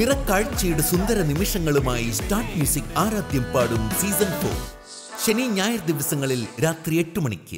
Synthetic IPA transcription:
nirɐkːaːɻt͡ɕːɐjuɽesund̪ɐɾɐnimiʂɐŋːɐɭumaːjistaːrʈmjuːsikaːɾaːd̪jɐmpaːɽumsiːsɐnfo̰ːl | ɕɐniːɲaːjɐɾd̪iʋɐsɐŋːɐɭilɾaːt̪rije̞ʈːumɐɳikʲːɨ̰

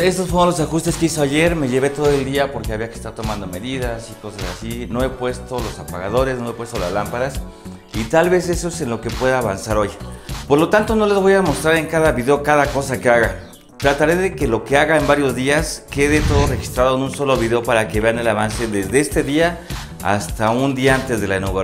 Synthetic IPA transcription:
e̞st̪osfolosaxust̪eskeiso̞aʝe̞ɾme̞ʝe̞βe̞t̪o̞ðoe̞ld̪iapo̞ɾkeaβiake̥st̪aɾt̪o̞mãnd̪o̞me̞ðiðasiko̞sasa̰sino̞e̞pwe̞st̪o̞lo̞sapaɣa̰ð̞o̞ɾe̞sno̞e̞pwe̞st̪o̞la̰zlampaɾas | it̪alβe̞se̞soese̞nlo̞ke̞pwe̞ðaːβansaɾo̞jpo̞ɾlo̞t̪ant̪o̞no̞le̞zβo̞jamo̞st̪ɾaɾe̞ŋkaðaβiðeokaðako̞sake̞aɣa | t̪ɾat̪aɾe̞ðe̞ke̞lo̞ke̞aɣaembaɾjo̞zðiaske̞ðe̞t̪o̞ðo̞re̞xi̥st̪ɾaðo̞enũnso̞lo̞βiðe̞opaɾake̞βe̞ane̞laβanse̞ðe̞zðe̞est̪e̞ðia | a̰st̪aund̪iaant̪e̞zðe̞laenoɣ

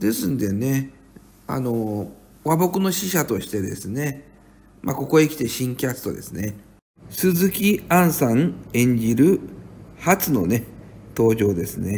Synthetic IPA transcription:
d̪e̞sɨ̃nd̪e̞ne̞ | a̰no̞ | βabo̞kɯ̟no̞ɕiɕat̪o̞ɕi̥t̪e̞d̪e̞̰sɨne̞ | mako̞ko̞eikʲi̥t̪e̞ɕĩŋkʲat͡sɨ̥t̪o̞̰d̪e̞sɨne̞ | sɨzɨkʲiãɰ̃sãŋẽ̞ɲ̟d͡ʑiɾɯ̟hat͡sɨno̞ne̞t̪o̞ːʑo̞ːd̪e̞sɨne̞

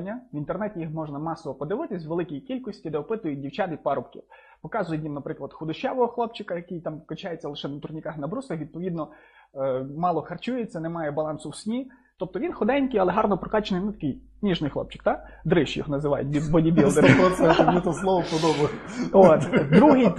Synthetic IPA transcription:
nʲːɐʋint̪ernɛtʲɪjixmɔʒnɐmɑsɔʋɔpɔd̪ɪʋɪt̪ɪsʲʋelˠɪkijikʲilʲkɔsʲtʲid̪ɛɔpɪt̪ʊjʊdʲiwt͡ʃʲɑt̪ɪpɑɾɔpkʲḭw | pɔkɑzʊjejimnɐpɾɪklˠɐd̪xʊd̪ʊʃɛʋɔɦɔxlˠɔp̚t͡ʃɪkɐjɐkijt̪ɑmkɔt͡ʃajet͡sʲːɐlˠɪʃɛnɐt̪ʊrnʲɪkɑxnɐbɾusɐxʋʲid̪̚pɔʋʲid̪nɔ | mɑlˠɔxɐrt͡ʃujet͡sʲːɐnemɑjɛbɐlˠɑnsʊwsʲnʲi | t̪ɔp̚t̪ɔʋʲinxɔd̪ɛnʲkɪjɐlˠɛɦɑrnɔpɾɔkɑt͡ʃenɪjnʊt̪ɐ̥kɪj | nʲiʒnɪjxlˠɔ̰pt͡ʃɪ̥k̚t̪ad̪ɾɪʃjɔ̰ɦnɐzɪʋɑ̰j̰t̚ʲbʲid̪bɔdʲibʲillˠd̪eɾɪɔɛɛmnʲit̪ɔslˠɔʋɔpɔd̪ɔbɐjot̪d̪ɾuɦɪj

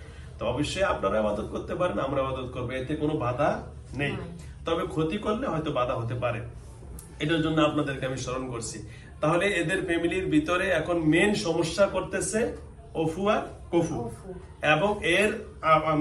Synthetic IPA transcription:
t̪oɔboʃːoeapnaɾaebad̪ot̪̚koɾt̪epaɾenamɾaebad̪ot̪koɾbeet̪ekonobad̪ʱa | nej | t̪ɔbekʰot̪ikolːeɦɔjt̪obad̪ʱaɦot̪̬epaɾe | eʈaɾd͡ʑonːoapnad̪eɾkeamiʃoɾonkoɾt͡ɕʰi | t̪aɦoleed̪eɾfɛmiliɾbʱit̪oɾeɛkʰonmenʃɔmoʃːakoɾt̪et͡ɕʰe | ofuaɾkofʰu | eboŋeɾa

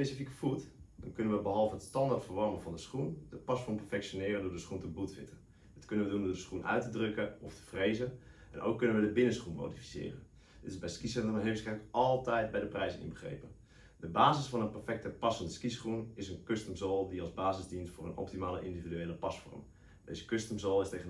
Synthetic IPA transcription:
pesifikə̥futd̥ɔnkønənʋəbəɦɔlˠvəətstɑndartfərʋɔrməvɔndəsχund̥əpɑsfɔrmpɛrfɛksjonɪːrəndʊːdəsχuntəbutsɪ̰tə | dɪtkønənʋədundʊːdəsχunʔœ̰ɥtədrøkəɔftə̥freːzənʔɛ̰nʔo̰ːkːønənʋədəbɪnəsχunmo̰ːdifi̥sɪ̰ːrə̰n | dɪtɪzbɛjskisɛəmaɦeːfsɛləkɔlˠtɛjt̚bɛjdəprɛjzənɪ̰nbəxrḛːpən | dəbaːzɪsfɔnənpɛrfɛk̚təpɑsfɔndəskisχunɪsənkøstəmzɔlˠdiɑlˠzbaːzɪzdinstfʊːrənʔɔ̰p̚timaːlə̰ʔɪndividyeːləpɑsfɔ̰rm | dḛːzə̥kstəmzɔlˠɪsteːɣən

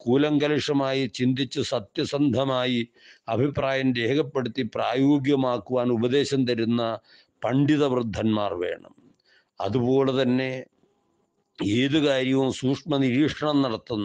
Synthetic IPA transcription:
kuːlɐŋɡɐliʂɐmaːjit͡ɕind̪it͡ɕːɨsɐt̪jɐsɐnd̪ʱɐmaːji | ɐbʱipraːjɐnɾeːɡʰɐpːe̞ɽut̪ːipraːjoːɡjɐmaːkːuʋaːnubɐd̪e̞ːɕɐmt̪ɐɾunːɐ | pɐɳɖiðɐʋrɨd̪ʱːɐnmaːrʋe̞̰ːɳɐ̰m | ɐ̰ðubo̞ːle̞t̪ɐnːe̞ | eːðukaːɾjɐʋumsuːkʂmɐniɾiːʂɐɳɐmnɐɽɐt̪ːunː

